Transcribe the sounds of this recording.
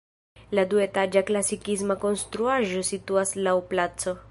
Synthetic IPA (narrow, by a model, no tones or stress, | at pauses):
ladue̞tad͡ʒaklasikis̬mako̞nst̪ɾuaʒo̞situaslawplat͡so̞